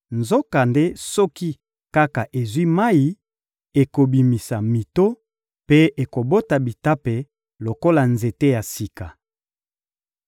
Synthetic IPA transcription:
nzo˦ka˨nde˦sɔ˦ki˦ | ka˦ka˨ʔe˨zwi˦ma˦i˨ | e˨ko˨bi˨mi˨sa˨mi˨to˦ | pe˦e˨ko˨bo˦ta˨bi˨ta˦pe˨ | lo˨ko˦la˨nze˨te˦ja˨si˨ka˨

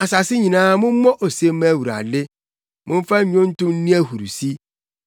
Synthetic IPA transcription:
a˨sa˨sɪ˦ɲĩ˨nãː˦mʊ̃˦m̩˦mɔ̃˦ʔo˨se˦mæ˦˨wu˨ɾa̰˨dɪ˦ | mʔʊ̃˦m˦fa˦ɲ˦ɲᶣʊ̃˦n̩˦tʊ̃˦n̩˦nĩ˦æ˦hu˨ɾu˨si˦

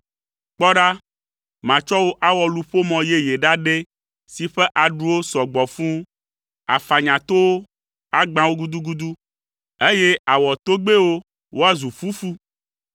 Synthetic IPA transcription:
k͡pɔ˦ɖa˦ | mã˨t͡ʃɔ˦wo˦ʔa˦wɔ˨lu˦˨ɸo˦mɔ̃˨je˦je˨ɖa˦ɖe˦ | si˨ɸe˦ʔa˨ɖu˦wo˦sɔ˨ɡ͡bɔ˨fũ˦ | a̰˨fa˨ɲã˨t̪o˦wo˦ | a˦ɡ͡bã˦wo˦ɡu˦d̪u˦ɡu˦d̪u˦ | e˦je˦a˨wɔ˨t̪o˦ɡ͡be˦wo˦ | wʔo˦a˦zu˨fu˦fu˦

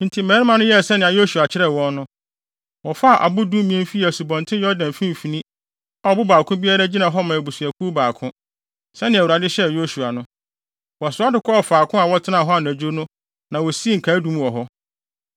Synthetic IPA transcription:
n̩˨tʰi˨mɛ̃˨˦ɾɪ˦mã˨nʊ̃˦jɛ˦˨sɛ˦nɪ̃˨a˨jo˦su˨a˨t͡ɕʰɪ˦ɾɛ˦˨wɔ̃˦nnʊ̃˦ | wɔ˨fa˦˨ʔa̰˨bʊ˦dũ˦mĩ˦ɛ̃˦m˦fi˦˨æ˨su˨bɔ̃˨ntʰɪ̃˦jɔ˦dã˨m˨fĩ˦m˨fi˨nĩ˦ | ɔ˦˨bʊ˦baː˨kʰʊ̃˦bi˦a˦ɾæ˦d͡ʑi˦nã˨ɦɔ˦mã˨æ˨bu˨su˨æ˨kʰu˦baː˨kʰʊ̃˦ | sɛ˦nɪ̃˨æ˨wu˨ɾa˨dɪ˦ɕɛ˦˨jo˦su˨a˨nʊ̃˦ | wɔ˨a˨sʊ˨˦a˦dɪ˨kʰɔ˦ɔ˨faː˨kʰʊ̃˦a˨wɔ˦tʰɪ˦nã˦˨ɦɔ˦a˨n˨æ˨d͡ʑu˦o˦nʊ̃˦ | nã˨wɔ˨si˦e˦ŋ̩˨kʰa˨˦dũ˦m˦wɔ˨ɦɔ˦

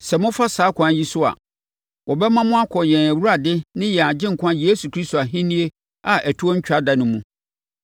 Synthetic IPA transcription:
sɛ˨mʊ̃˦fa˦saː˨˦kʰʷã˨˦ji˦sʊ˦a̰˨ | wɔ˨bɛ˦mã˦mʊ̃˦a˦kʰɔ˨jɛ̃˨næ˨wu˦ɾa˨dɪ˦nɪ̃˦jɛ˨a˨d͡ʑɪ̃˦ŋ̩˨kʰʷã˦je˦su˨kʰɾi˦sto˨a˨ɦĩ˦nĩ˦e˦ | a˨ʔæ˨tʰu˦o˦ɲ̩˦t͡ɕᶣa˦da˨nʊ̃˨mũ˦

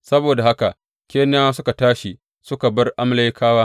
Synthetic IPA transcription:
sɐ˦boː˨da˨ha˦ka˨ʔ | kʲeː˦n˦aː˦sʊ˦ka˨taː˦ʃi˨ | sʊ˦ka˨bɐ˦rʔa˦mla˦jkʰaː˦waː˦

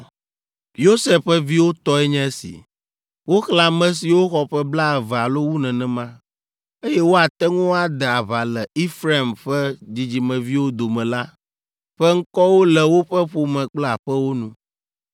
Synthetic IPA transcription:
jo˦sɛ˦ɸɛ˦vi˦wo˦t̪ɔ˦ɛ˦ɲɛ̃˦sḭ˨ | wo˦xla˨mɛ̃˨s̬i˨wo˦xɔ˨ɸɛ˦bla˦˨vɛ˨a˨lo˦wu˦nɛ̃˨nɛ̃˨mã˦ | e˦jɛ˦wo˦a˨t̪ɛ˦ŋũ˦a˨d̪ɛ˨a˨βa˨lɛ˨i˦fɾa˦˨mɸɛ˦d͡ʑi˨d͡ʑi˨mɛ̃˨vi˦wo˦d̪o˨mɛ̃˨la˦ | ɸɛ˦ŋ̩˦kɔ˦wo˦lɛ˨wo˦ɸɛ˦ɸo˨mɛ̃˨k͡plɛ˦a˨ɸɛ˦wo˦nũ˦

